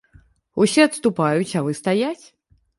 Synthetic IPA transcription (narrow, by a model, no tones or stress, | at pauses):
usʲɛɐt̪st̪upajut͡sʲavɨst̪ajat͡sʲ